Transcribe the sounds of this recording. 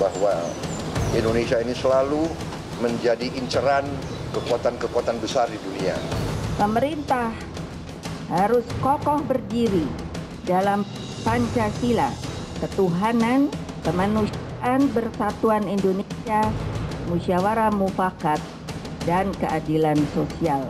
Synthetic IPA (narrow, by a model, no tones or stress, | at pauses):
bahwa | indonesiainisəlalu | məɲd͡ʒadiʔiɲt͡ʃəɾan | kəkuat̪ankəkuat̪anbəsardidunia̰pəməɾint̪ah | haɾʊskɔkɔhbərdiɾi | dalam | paɲt͡ʃasilakət̪uɦanan | kəmanusaaʔanbərsat̪uanindonesiamusiawaɾamufakat̪̚dankəʔadilansosial